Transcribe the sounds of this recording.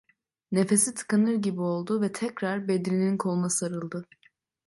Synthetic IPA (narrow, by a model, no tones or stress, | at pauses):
nefe̞sit̪ʰɯ̥kanɯɾɟibio̞lˠd̪uvɛt̪ʰɛcɾaɾbe̞d̪ɾininkʰo̞lˠmasɯaɾɯlˠd̪ɯ